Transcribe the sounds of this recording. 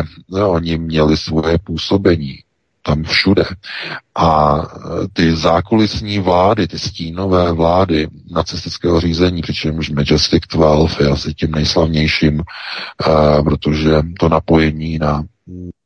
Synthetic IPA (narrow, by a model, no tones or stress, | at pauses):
ʔo̞ɲɪmɲɛlɪsvo̞jɛpuːso̞bɛɲiː | t̪amfʃudɛʔa | t̪ɪzaːkolɪsɲiːvlaːdɪt̪ɪsciːno̞vɛːvlaːdɪnat͡sɪst̪ɪt͡skɛːɦor̝iːzɛɲiːpr̥ɪt͡ʃɛmʃmɛd͡ʒɛstɪkt̪vɛlfasɪcɛmnɛjslavɲɛjʃiːm | pɾo̞t̪o̞ʒɛt̪o̞napo̞jɛɲiːna